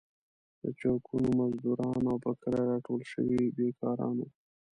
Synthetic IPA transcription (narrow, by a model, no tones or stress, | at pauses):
d̪ət͡ʃɑkʰunomazd̪uɾɑnawpəkəɾaɾɑʈolʃə̰wibekʰɑɾɑ̰no